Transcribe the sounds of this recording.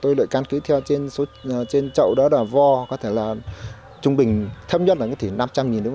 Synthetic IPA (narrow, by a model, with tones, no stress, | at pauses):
t̪o˧jlə̰˧˨jka˧nki˨˦t̪ʰɛ˧wt͡ɕe˧nso˨˦˨t͡ɕe˧nt͡ɕə̰˧˨wɗɔ˨˦ɗaː˧˩vɔ˧kɔ˨˦t̪ʰe˧˩laː˨˩ | t͡ɕʊ˧ŋ͡mɓï˨˩ŋ̟t̪ʰə˧m̚ɲə˦˥t̚ʔːaː˨˦t̪ʰi˧˩na˧mt͡ɕa˧mŋi˨˩nːɨ̰˧˥˦